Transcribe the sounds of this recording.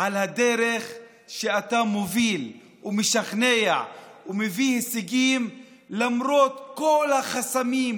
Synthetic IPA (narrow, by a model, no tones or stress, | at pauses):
ʔalhad̪e̞ɾe̞χ | ʃeat̪amovil | umeʃaχneja̰umevihesiɡim | lamɾo̞t̪ko̞lhaχasamim